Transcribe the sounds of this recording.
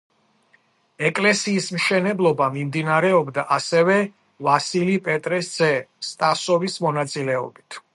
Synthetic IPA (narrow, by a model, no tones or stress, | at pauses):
ɛkʼlɛsiːsmʃɛnɛblˠɔbamimd̪inaɾɛɔbd̪aʔasɛvɛ | vasilipʼɛt̪ʼɾɛsd̪z̥ɛst̪ʼasɔvismɔnat̪sʼilɛɔ̰bit̪ʰ